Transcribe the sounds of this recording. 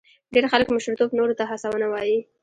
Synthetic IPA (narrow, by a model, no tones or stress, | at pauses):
ɖeɾxaləkmʊʃɾit̪obnoɾot̪aɦasawənawɑji